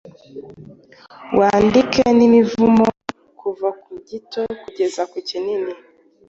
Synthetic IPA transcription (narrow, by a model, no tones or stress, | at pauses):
wʔandikenimivumo | kuvakuɟitʰokuɟezakicinini